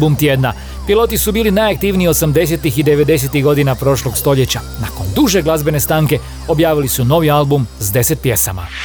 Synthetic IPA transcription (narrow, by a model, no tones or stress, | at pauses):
bumt̪jeːd̪na | pilˠo̞t̪isubiːlinajak̚t̪iːʋniio̞samd̪e̞s̬e̞t̪ixid̪e̞ʋe̞d̪e̞s̬e̞t̪iɣɡo̞d̪inapɾo̞ːʃlo̞ɡst̪o̞ʎe̞t͡ɕanako̞nd̪uʒe̞ɡlˠazbe̞ne̞st̪aːŋke̞ | o̞bjaːʋilisuno̞ʋialbumzd̪e̞se̞t̪̚pje̞sa̰ma̰